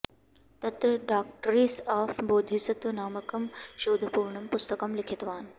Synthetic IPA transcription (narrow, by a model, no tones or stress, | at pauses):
t̪ɐt̪ɾəɖaːk̚ʈɾiːsaːfboːd̪ʱisɐt̪naːmɐkɐmʃoːd̪ʱpuːɾɳəmpʊst̪əkɐmlɪkʰɪt̪ʋaːn̆